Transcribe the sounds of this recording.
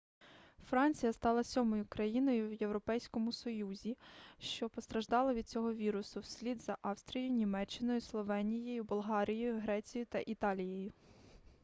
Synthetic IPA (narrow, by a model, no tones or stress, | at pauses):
fɾɑnʲt͡sʲijɐst̪ɑlˠɐsʲɔmɔjʊkɾɐjinɔjʊwje̞wɾɔpɛjsʲkɔmʊsɔjuzʲiʃt͡ʃɔpɔst̪ɾɐʒd̪ɑlˠɐʋʲid̪̥̚t͡sʲɔɦɔʋʲiɾʊsʊwsʲlʲid̪zɐʔɑwst̪ɾʲijʊnʲimɛt͡ʃːɪnɔjʊslˠɔʋɛnʲijɔjʊbɔlˠɦɑɾʲijɔjʊɦɾɛt͡sʲijʊt̪ɐʔit̪ɑlʲijejʊ